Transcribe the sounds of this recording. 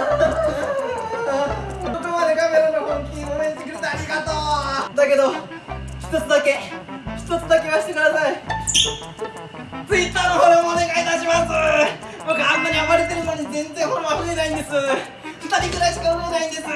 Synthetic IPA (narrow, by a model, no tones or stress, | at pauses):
ot̪omad̪ekame̞ɾanohõŋkʲĩɡomeɲit̪ekɯ̟ɾet̪aːɾʲiɡat̪oːd̪ake̞d̪o̞ | çi̥t̪o̞t͡sɨd̪ake̞çi̥t̪o̞t͡sɨd̪akeɡaɕi̥t̪e̞kɯ̟d̪asai | t͡sɨit̪ːaːnoɦoɾomoːne̞ɡait̪aɕimasɨ | bokaãnːaɾʲiamaɾet̪e̞ɾɯ̟no̞ɲ̟izẽ̞nzẽ̞koɾoβaɸɯe̞naĩnd̪e̞sɨ | ɸɯ̟̥t̪aɾʲikɯɾaiɕi̥kɯaɸɯe̞naĩnd̪e̞sɨ